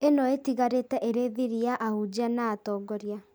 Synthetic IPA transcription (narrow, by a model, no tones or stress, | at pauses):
enɔetiɣaɾetɛʔeɾeðiɾiaʔahud͡ʒanaːtɔːɡɔɾja